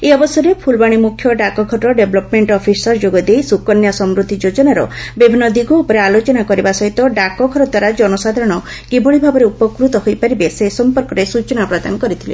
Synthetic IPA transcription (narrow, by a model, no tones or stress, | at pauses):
eɔbɔsɔɾepʰulbaɽ̃imukʰjɔɖakɔɡʱɔʈɔɖebɔlɔpmeɳʈɔpʰisɔɾd͡ʒoɡɔd̪ejsukɔnjasɔmɾud̪ʱid͡ʒod͡ʒɔnaɾɔ̰bibʱinːɔd̪iɡʱɔupɔɾealot͡ʃɔnakɔɾibasɔɦit̪ɔɖakɔɡʱɔɾɔd̪waɾad͡ʒɔnɔsad̪ʱaɾɔɽ̃ɔ | kibɔɭibʱabɔɾeupɔkɾut̪ɔɦojpaɾibesesɔmpɔɾkɔɾesut͡ʃɔnapɾad̪a̰nɔkɔɾit̪ʰilḛ